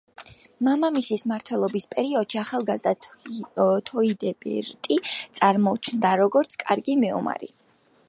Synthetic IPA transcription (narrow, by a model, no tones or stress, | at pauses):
mamamisismaɾt̪ʰwɛlˠɔbispʼɛɾiɔd̪̥ʃiaχalˠɡazd̪a | t̪ʰɔid̪ɛbɛ̰ɾt̪ʼit̪sʼaɾmɔt͡ʃʰnd̪aɾɔɡɔɾt̪sʰkʼaɾɡimɛṵma̰ɾḭ